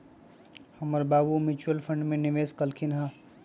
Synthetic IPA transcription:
hɐməɾbaːbumɪt͡ʃuəlfʰɐ̃ɳɖmẽnɪʋeːskɐlkʰinɦã

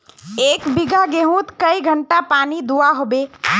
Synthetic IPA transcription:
eːkbɪɡʱaɡeɦũːt̪kəiɡʱəɳʈapaːnid̪uaɦobeː

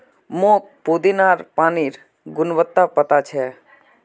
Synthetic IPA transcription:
mõk̚pod̪inaɾpaːniɾ | ɡʊnʋət̪ːapət̪at͡ʃʰɛ

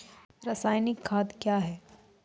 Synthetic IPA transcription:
ɾɐsaːjnɪkʰːaːd̪kjaːɦɛː

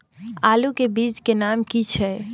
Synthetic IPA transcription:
alukebid͡ʒkenamkit͡ʃʰɛ

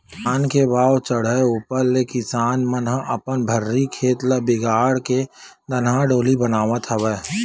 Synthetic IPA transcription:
aːnkebaːwt͡ʃəɽ̤əuːpəɾlekɪsaːnmənɦəʔəpənbʱəɾːikʰeːt̪ləbɪɡaːɽke | d̪ənɦaɖoːlibənaːʋət̪ɦəʋɛː

